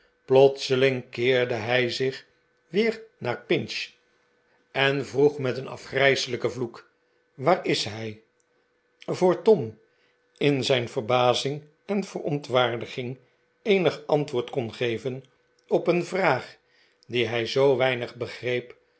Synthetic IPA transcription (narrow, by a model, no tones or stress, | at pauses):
plɔt̪səlɪŋkɪːɹdəɦɛjzɪχ | ʋɪːrnaːɹpɪnʃ | ɛnvruχmɛtənɑ̰fχrɛjsələkəvluk | ʋaːrɪsɦɛj | vʊːɹtɔm | ɪnzɛjnv̥ərbaːzɪŋ | ɛnv̥ərɔntʋaːɹdəχɪŋ | ejnəχɑntʋʊːɹtkɔnχejvən | ɔpənvraːχ | diɦɛjzowʋɛjnəχbəχrejp